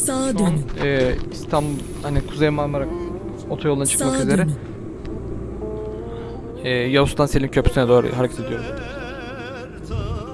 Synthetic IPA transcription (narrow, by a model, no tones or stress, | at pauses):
d̪nɛːist̪ʰambu | hanikʰuzejmaɾmaɾak | ot̪ʰajolˠd̪t͡ʃʰɯ̥kmakyze̞ɾɛ | ɛːjaust̪anseimcʰø̞pʰy̥sinɛd̪oːɾɯ̰ɦaɾecʰet̪ed̪ijo̞ɾum